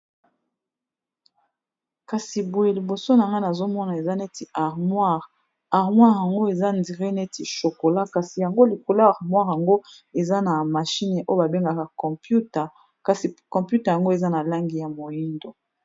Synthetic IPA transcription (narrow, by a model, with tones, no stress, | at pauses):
ka˨si˨bo˨je˨li˨bo˨so˦n˨a˨ŋɡa˦na˨zo˦mɔ˦na˨e˨za˦ne˦ti˨a˨ʁmwa˦˨ʁ | a˨ʁmwa˦ʁja˨ŋɡo˦e˨za˦ndi˨ʁe˦ne˦ti˨ʃo˨ko˨la˦ka˨si˨ja˨ŋɡo˦li˨ko˨la˦a˨ʁmwa˦ʁja˨ŋɡo˦ | e˨za˦na˨ma˨ʃi˦n˨ʔo˦o˨ba˨be˦ŋɡa˨ka˨kɔ̃˨pju˦ta˨ | ka˨si˨kɔ̃˨pju˦tɛ˨ja˨ŋɡo˦e˨za˦na˨la˦ŋɡi˨ja˨mo˨ji˦ndo˨